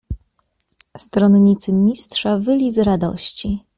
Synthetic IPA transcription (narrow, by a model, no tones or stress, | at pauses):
st̪ɾɔnɲit̪sɘmʲistʂavɘlʲizɾad̪ɔ̰ɕt͡ɕi